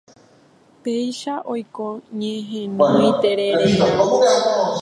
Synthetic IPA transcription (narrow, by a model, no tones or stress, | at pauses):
pejʃaʔo̞jkõɲẽɦẽmit̪eɾeɾeã